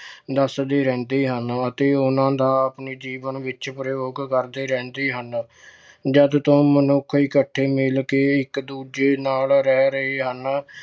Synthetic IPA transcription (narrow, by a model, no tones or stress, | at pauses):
d̪əsd̪eːɾɛ̃ːnd̪eːɦənət̪eːʊnãːd̪aːəpniːd͡ʒiːʋənʋɪt͡ʃpɾjoːɡkəɾd̪eːɾɛ̃ːnd̪eːɦən | d͡ʒəd̪t̪õːmənʊkʰiːkəʈʰːeːmɪlkeːɪkd̪uːd͡ʒeːnaːlɾɛːɾəeːɦən